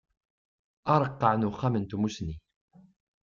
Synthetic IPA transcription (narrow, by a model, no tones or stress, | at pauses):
ɑɾˤəqːəʕnuχːamənt̪umusni